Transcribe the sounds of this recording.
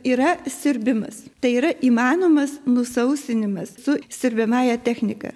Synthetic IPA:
iːɾɐsʲɪɾʲbʲɪmɐst̪ɐɪiːɾɐʔiːmɑːnoːmɐsnʊsɐʊsʲt̪ʲɪnʲɪmɐssʊsʲɪɾʲbʲɛmɑːjɛt̪ʲæːxʲnʲɪkɐ̰ː

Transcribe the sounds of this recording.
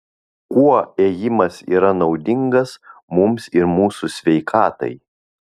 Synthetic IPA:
kuɔeːjɪmɐsḭːɾɐnɒʊd̪ʲɪŋɡɐsmʊmsɪɾmuːsʊsʲʋʲɛɪkʰɑːt̪ɐ̰ɪ

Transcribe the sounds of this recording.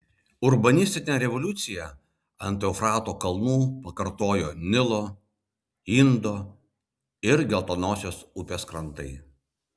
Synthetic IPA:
ʊɾbɐnʲɪsʲt̪ʲɪnʲɛɾʲɛʋɔlʲʊt̪sʲɪjɛ | ɐ̰nʲt̪ʲoʊfɾɑːt̪oːkɐlˠnuːpɐkɐɾt̪oːjoːnʲɪlˠoː | iːnd̪oː | ɪɾɡʲɛlˠt̪oːnoːsʲoːsʊpʲeːskɾɐnt̪ɐɪ

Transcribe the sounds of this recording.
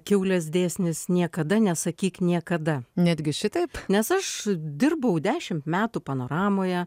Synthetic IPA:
kʲɛʊlʲɛsd̪ʲeːsʲnʲɪsnʲiɛkɐd̪ɐnʲɛsɐkʲiːknʲiɛkɐd̪ɐnʲæːd̪ʲɡʲɪʃʲɪt̪ɐɪpnʲɛsɐʃd̪ʲɪrbɐʊd̪ʲæːʃʲɪmt̪mʲæːt̪upɐnoːɾɑːmoːjɛ

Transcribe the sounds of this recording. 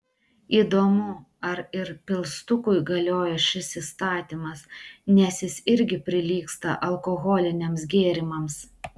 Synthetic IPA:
iːd̪oːmʊ | ɐɾɪɾpʲɪlˠst̪ʊkʊɪɡɐlʲoːjɛʃʲɪsiːst̪ɑːt̪ʲimɐsnʲɛsjɪsɪɾʲɡʲɪpʲɾʲɪlʲiːkst̪ɐ̰ʔɐlˠkoɣɔːlʲɪnʲemsɡʲeːɾʲɪmɐms

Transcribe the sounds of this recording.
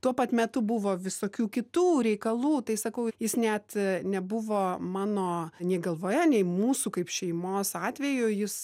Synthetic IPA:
t̪uɔpɐt̪mʲɛt̪ʊbʊʋoːʋʲɪsoːkʲuːkʲɪt̪uːɾʲɛɪkɐlˠuːt̪ɐɪsɐkɐʊjɪsnʲɛt̪nʲɛbʊʋoːmɑːnoːnʲiɛːɡɐlˠʋoːjɛnʲɛɪmuːsuːkɐɪpʃʲɛɪmoːsɑːt̪ʲʋʲɛjʊjɪs

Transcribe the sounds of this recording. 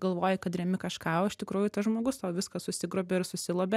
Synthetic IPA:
ɡ̥ɐlˠʋoːjɪkɐt̪rʲɛmʲɪkɐʃkɑːoːɪʃʲt̪ʲɪkɾuːjʊt̪ɐsʒmoːɡʊstɐːʋʲɪskɐsʊsʲɪɡɾoːbʲɛɪɾsʊsʲɪlˠoːbʲɛ

